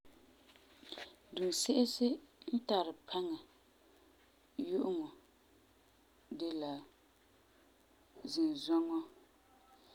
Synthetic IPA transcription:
du˨n˨sɪ˦ʔɪ˦sɪ˦n̩˦ta˨ɾɪ˨pʰa˦ŋa˨ | jʊ˦ʔʊ˦ŋɔ˨ | de˨la˨ | zɪ˨n˨zɔ˦ŋɔ˦

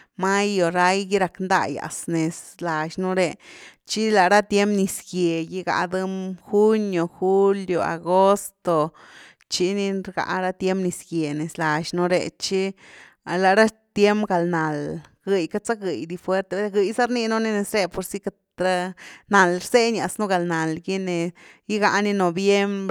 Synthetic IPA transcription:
ma˦jo˨ɾa˧jɡi˦ɾa˧knd̪a̰˧ja̰˨sne˨sla˨ʃnu˧ɾe˨t͡ʃi˦la˨ɾa˦t̪je˦mpni˧sɡje˨ji˧ɡa̰˨˧d̪ɨ˦mxu˦njo˨xu˦ljo˨a̰˨ɡo˦st̪o˨ | t͡ʃi˧˦ni˧ɾɡa̰˧˨ɾa˦t̪je˦mpni˧sɡje˨ne˨sla˨ʃnu˧ɾḛ˨t͡ʃi˦ | la˨ɾa˦t̪je˦mpɡa˨lna˨lɡ̥ɨ˨jka˦t͡sa˦ɡɨ˨jd̪i˧fwe˦ɾt̪e˧˦˧ɡɨ˧jsa˦ɾni˦nu˦ni˦ne˨sɾe˧po˨ɾsi˦ka˧tɾa˦na˨lɾse˦ɲa˨snu˦ɡa˨lna˨lɡi˦ne˨ji˦ɡa˧ʔni˦no˨bje˦mb

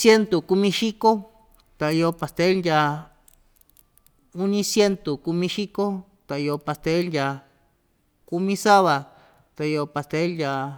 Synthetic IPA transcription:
sje˦nt̪o˨ku˧mĩ˧ʃi˦ko˦ | t̪a˨jo˧pa˨st̪e˦lja˧ | u˦nĩ˧sje˦nt̪u˨ku˧mĩ˧ʃi˦ko˦ | t̪a˨i˧o˧pa˧st̪e˦lja˧ | ku˧mĩ˧sa˦βa˨ | t̪a˨jo˧pa˧˨st̪e˦lja˧

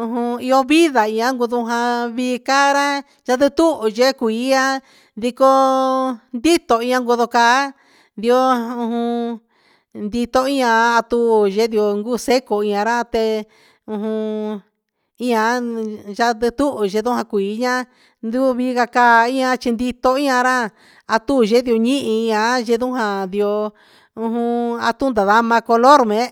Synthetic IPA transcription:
ũ˧ɦũ˧i˧o˧βi˦ða˨ĩ˧ã˦ŋɡu˧ðu˧ɦã˧βiː˧ka˦ɾã˦ | ʒa˧ðɨ˦˧t̪u˦ʔu˨ʒe˦kʷiː˨˧˦a˦ | ði˧ko˧ | nd̪i˦t̪o˧ĩ˦ã˧ŋɡu˧ðo˧kaː˧˦ | nd̪i˧o˦ũ˧hũ˧ | nd̪i˧t̪o˧i˦ɲã˧a˧t̪u˧˦˧ʒe˧˦d̪i˧o˧ŋɡu˦˨se˦ko˨ĩ˧ã˧ɾã˦˧t̪e˧ | ũ˧ɦũ˧ | i˦ɲã˧˦ʒa˦d̪ɨ˧t̪u˦ʔʒe˧ðũ˦hã˧kʷiː˨˦ɲã˦ | nd̪u˦˧βi˦ɣa˧kaː˦˧˦ĩ˦ɲã˧t͡ʃi˧nd̪i˧t̪o˧i˦ɲã˧ɾã˦˨ | a˧t̪u˦˨ʒe˦ði˧o˧ɲĩ˦ʔĩ˧ĩ˧ã˧˦ʒe˧ðũ˦ɦã˧d̪i˧o˧ | ũ˧ɦũ˧a˧t̪u˦nd̪a˨ða˧mã˧ko˧lo˦ɾmẽ˨˦

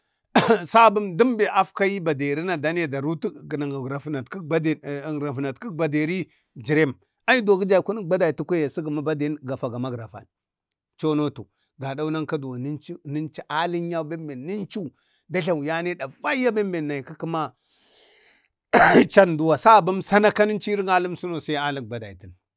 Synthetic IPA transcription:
sa˦bu˦mdi˦mbe˨ʔa˦fka˦ji˦ba˨de˨ɾi˦na˨da˨˦ni˦ja˨da˨ɾu˦tu˦ɡna˨ŋɡa˨ɡɾa˨fna˨ti˦a˦dɾa˨fna˨tki˦ba˨de˨ɾi˦ | d͡ʒi˨ɾe˦m | a˦i˦do˨ɡi˦d͡ʒa˨i˨ku˦n˦ba˦da˨tu˦kʷe˦ja˨si˦ɡa˨ma˦ba˦de˨˦ɡa˨fa˨ɡa˨ma˦ɡɾa˨fa̰˨n˨ | t͡ʃo˦no˦tu˨ | ɡa˨da˦u˦na˦ŋ˦ka˦du˨wni˦nt͡ʃi˦ni˦nt͡ʃi˦ʔa˦li˦n˦a˦be˦mbe˨nː˨i˦nt͡ʃu˦ | da˦ɬa˨wja˦ne˦da˨va˦a˦be˦mbe˨nːa˨i˨ki˦ki˦ma˦ | t͡ʃa˦ndu˨wa˨sa˦˨ba˦msa˦na˦ka˦ni˦nt͡ʃi˦ɾi˦ŋa˦lu˦msu˦no˨sa˦a˦li˦k̚ba˨da˨i˨ti˨n

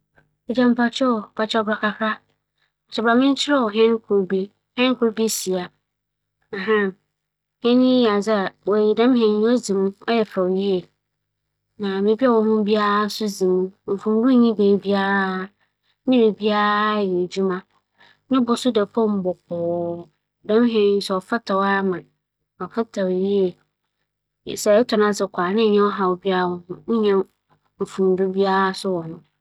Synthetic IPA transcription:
ɛ˨d͡ʑã˦m˦˨pʰa˦t͡ɕʰɔ˦˨pa˨t͡ʃʰɔ˦bɾa˨kʰa˨kʰɾa˦˨ | sɛ˨bɾa˨mɪ̃˦n̩˦t͡ɕʰɪ˦ɾɔ˦ɔ˨ɦɛ̃˦n˦kʰʊ˦˨ɾbe˦ | hɛ̃˦n˦kʰʊ˦ɾbi˦si˨a˨ | ɦã˦ | hɛ̃˦nɪ̃˦˨a˨zɪ˦a˨wɔ˨ji˨dã˦mɦɛ̃˨n˦o˦d͡zĩ˨m̃˦ɔ˦jɛ˨fɾa˨ji˦e˨ | nã˨mẽ˨bi˦a˦wɔ˨ɦʊ̃˦bi˦a˦ɾsʊ˦d͡zĩ˨mũ˦˨m̩˨fʊ̃˨m˦ɾũ˦ɲĩ˦beː˨bi˦a˦ɾa˦ | mĩ˦ɾe˨bi˦a˦ɾa˦jɛ˨d͡ʑu˦mã˦ | nʊ̃˦bʊ˦sʊ˦dɛ˨pʰɔ̃˦m˦bɔ˨k̚ɔː˨ | dɛ̃˦m˦ɦẽ˨˦n̩˦sɛ˨ɔ˨fa˦tʰa˨wa˦mã˨ | ɔ˨fa˦tʰa˨wji˦e˨ | sɛ˨ɛ˦tʰʊ˨nã˦sɪ˨kʰʷaː˨nɪ̃˦ɲɛ̃˦ɔ˦ɦa˨wo˨bi˦a˦ɾwɔ˨hʊ̃˦ɲ̩˦ɲɛ̃˦ | m̩˨fũ˨m˨du˦bi˦a˦ɾa˦sʊ˦wɔ̃˨nʊ̃˦

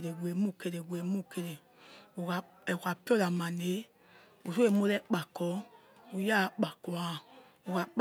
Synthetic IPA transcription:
ɾe˨ɡʷe˨mu˦˨ke˨ɾe˨ɡʷe˨mo˦˨ke˨ɾe˨ | o˨ka˨ | ɛ˨ka˨pi˦ɔ˦la˨ma˨ne˨˦ | u˨so˦e˨mo˦lɛ˦k͡pa˨kɔ˨˦ | u˨ja˦˨˦k͡pa˨kɔ˨a˨ | o˨ka˨k͡p

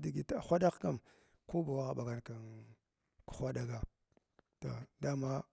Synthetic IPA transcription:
di˨ɡi˨txʷa˦da˦kka˦m | ko˦ba˨wa˦ɣa˨ba˨ɡa˨nka˨ | ku̥˨xʷa˦da˦ɡa˨ | to̰˨da˦ma˦

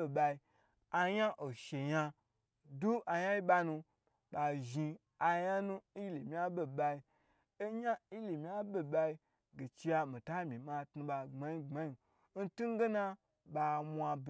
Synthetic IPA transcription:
e˨ɓa˧i˧ | a˧ɲa˦ʔo˨ʃe˨ɲa˧ | du˦ʔa˨ja˦i˦ɓa˧nũ˧ | ɓa˨ʒi˧ | a˨˧ja˦nũ˦li˨mʲ˦a˦be˨ɓa˧i˧ | e˦ɲa˦i˦li˨mʲ˨a˦be˨ɓa˧i˧ | ɡe˨t͡ʃi˧ja˧mĩ˨ta˦mʲi˨ma˧tnu˧ɓa˧ŋ͡ma˨ji˦ŋ͡ma˦ji˨ | n̩˦tu˦ŋ˦ɡe˦na˦ | ɓa˧mʷ˦a˧b

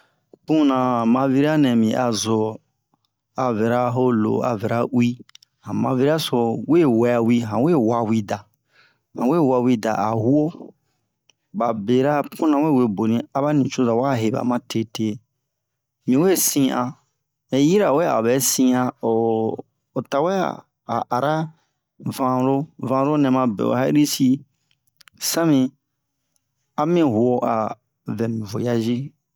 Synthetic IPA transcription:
kũ˦nã˨mã˧vi˦ɾi˦a˦nɛ̃˨mĩ˨ʔa˨zo˨ | a˨vɛ˨ɾa˦ɦo˦lo̰˨a̰˨vɛ˨ɾa˦ʔwi˦ | hã˨mã̰˧vi˦ɾa˦so˧we˦˨wɛ˨˧a˨wi˦ɦã˨we˦˨wa˧wi˦da˨ | hã̰˨we˦˨wa˧wi˦da̰˨ʔa˨hu˦o˦ | ba˨be˨ɾa˦pũ˦nã˨we˦˨we˧bo˨nĩ˨a˦ba˦nĩ˨t͡ʃo˦za˨wa˦˨ɦe˨ba̰˨mã˦te˦te˧˦ | mĩ˨we˦sĩ˦ʔa˨ | e˨ji˦ɾa˨wɛ˦a̰˨bɛ˨˦sĩ˧a˧o˨ | o˨ta˨wɛ̰˦˨ | a̰˨ʔa˨ɾa˦ | vã˨ɾo˦vã˧ɾo˦nɛ̃˨mã˧bɛ̰˨o̰˨ha˦i˦ɾi˦si˦ | sa˦mĩ˧ | a˦mĩ˦ɦu˨o˦ʔa˨ | vɛ̃˨mĩ˨vo˨ja˦zi˦

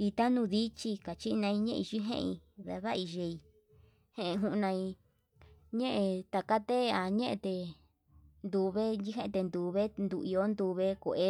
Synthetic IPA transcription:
i˧t̪a˦nũ˧ði˦t͡ʃi˧ka˨t͡ʃi˦nã˧ĩ˧ɲẽ˦ʔi˧t͡ʃi˦ɦḛ̃˦ʔi˧ða̰˧βa˦˧i˧ʒe˧i˧ | hẽ˦˧e˧ɦũ˧ʔnã˧i˧ | ɲẽ˦ʔẽ˧t̪a˧ka˦t̪e˦˧a˧ɲẽ˦ʔḛ̃˧t̪e˧˨ | nd̪u˧βe˦i˦ɦẽ˦˧t̪e˧nd̪u˧βe˦nd̪u˧˨i˧o˦nd̪u˧βe˦ko˧˨ʔe˦

